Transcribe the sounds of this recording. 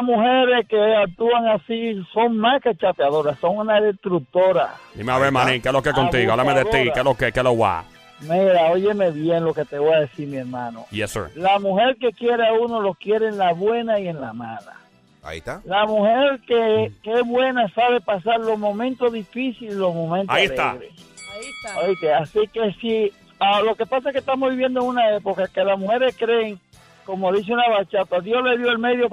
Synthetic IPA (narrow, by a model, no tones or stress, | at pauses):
muhe̞ɾe̞skeak̚t̪uaŋasiso̞ŋmaske̞t͡ʃapeaðo̞ɾasso̞ŋunaðe̞t̪ɾuk̚t̪o̞ɾa̰d̪imeaβeɾmãnĩŋkelokekont̪iɣoalameðet̪ikelokekelowa̰ | miɾaoʝe̞me̞βje̞ŋlo̞ke̞t̪eβo̞jaðe̞siɾmie̞ɾmãno̞̰jesə̰ɾlamuhe̞ɾke̞kje̞ɾeauno̞lo̞kje̞ɾeːnlaβwe̞naie̞nlama̰la̰ | a̰ḭt̪alamuheɾkekeesβwe̞nasaβe̞pasaɾlo̞hmõ̞mẽnt̪o̞ðifisililo̞mõ̞mẽnt̪oleeɣɾḛait̪aojt̪easike̞si | alo̞ke̞pasaekːeht̪amozβiβjend̪oeŋunae̞pokakelasmuhe̞ɾeskɾe̞ːŋ | ko̞moðis̬eunaβat͡ʃat̪aðjo̞sle̞ðjo̞elme̞ðjo